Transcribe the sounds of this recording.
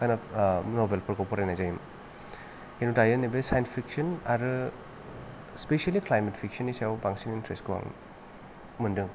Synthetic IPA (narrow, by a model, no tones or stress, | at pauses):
kananobelpɔɾkɔpɔɾajnajzajim | henutajenibesajnspʰiksɐnaɾɯ | spesialiklajmetpʰiksɐnisawbaŋsinintɾestkuba̰ŋ | mɯndɯŋ